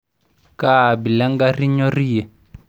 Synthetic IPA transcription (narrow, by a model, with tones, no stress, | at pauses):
ka˦˨bi˨la˦ŋɡa˦ri˦ɲɔ˦ri˦jɛ˨